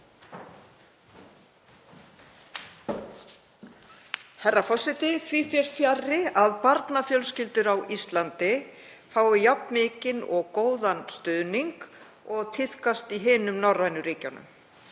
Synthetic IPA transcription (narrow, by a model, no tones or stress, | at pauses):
hɛrːafɔsɪt̪ɪθʰviːfjɛɾ̥fjarːɪaðpaɾt̪nafjœlscɪlt̪ʏɾawʔist̪lant̪ɪfaːwvɪjapnmɪːcɪnɔɣkoːwðanst̪ʏðniŋk | ɔɣt̪ʰɪθkast̪iɦɪːnʏmnɔrːajnʏɾiːca̰wnʏ̰m